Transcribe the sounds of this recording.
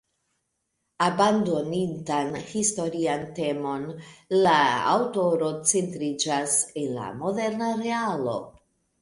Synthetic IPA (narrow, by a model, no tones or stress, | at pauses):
abando̞nintanhisto̞ɾiante̞mo̞nlaa̰wto̞ɾo̞t͡se̞ntɾid͡ʒasenla̰mo̞de̞ɾnaɾe̞alo̞̰